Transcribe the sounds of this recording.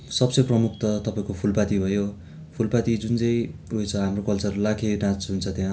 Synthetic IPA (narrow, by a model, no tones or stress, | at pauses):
sʌbsʌjprʌmuk̚t̪ʌt̪ʌpaĩkopʰulpat̪ibʱʌjo | pʰulpat̪id͡zunt͡sʌj̃ojt͡sʰʌɦamrokʌlt͡sʌrlakʰenãt͡sɦunt͡sʰʌt̪jã